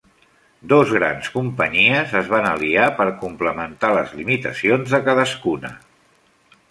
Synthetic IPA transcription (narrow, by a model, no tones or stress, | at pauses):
d̪ozɣɾa̰nskumpəɲiəzəzβ̞anəliapəɾkumpləmənt̪aləzlimit̪əsionzðəkaðəskunə̰